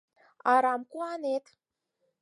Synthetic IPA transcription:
ɑɾɑmkuɑnet̪

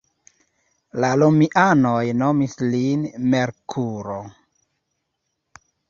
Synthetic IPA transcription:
lalomiʔanojnomislinmeɾkʰuɾo

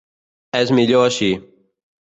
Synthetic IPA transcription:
ɛzmiʎoəʃiː

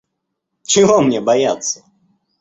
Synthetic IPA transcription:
t͡ʃɨɣɔmnʲɛbajat̪sːɐ̥

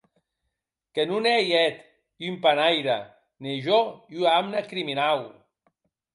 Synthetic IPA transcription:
kenunejɛt̪ | ympanajɾa̰ | neʒoyamnakɾiminaw

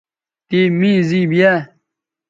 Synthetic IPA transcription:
t̪iːmĩːziːbijɛː

